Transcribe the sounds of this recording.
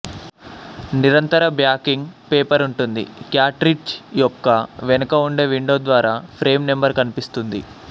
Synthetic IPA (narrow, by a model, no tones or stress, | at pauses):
niɾɐnt̪ɐɾɐbjaːkiŋɡpeːpɐɾuɳʈund̪ḭkjaːʈɾiʈt͡ʃjɔkːɐʋɛnɐkɐuɳɖe̞ːʋiɳɖoːd̪ʋaːɾaːpʰɾe̞ːmnembɐɾkɐnipist̪und̪ḭ